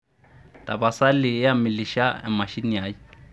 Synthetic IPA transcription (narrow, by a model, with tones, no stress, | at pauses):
tʼa˨ba˨sa˦lɪ˨ja˦mɪ˨li˨ʃa˦ɛ̰˨ma˨ʃi˦n˦ja˨˦ji˦